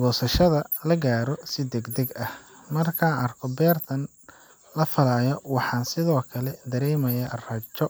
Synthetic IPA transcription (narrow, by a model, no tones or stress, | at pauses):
ɡɔːsɐʃɐðɐlɐɡaːɾɔsɪd̪ɛɡd̪ɛɡɐhmɐrkʰaːʔɐrkʰɔbɛːrt̪ʰɐn | lɐfɐlaːjɔwɑħɑːnsɪðɔːkʰɐlɛd̪ɐɾɛːmɐjarɐt͡ʃːɔ